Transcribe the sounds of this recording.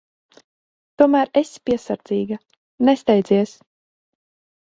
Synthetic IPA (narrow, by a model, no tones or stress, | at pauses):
t̪uɔmæːɾespiɛsaɾd̪z̥iːɡa | nɛst̪ɛjd̪ziɛs